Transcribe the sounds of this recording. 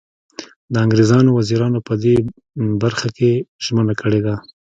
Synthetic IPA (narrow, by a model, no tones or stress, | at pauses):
d̪əaŋɡɾezɑnowaziɾɑnopəd̪e | baɾxakeʒ̥mənakʰəɽed̪a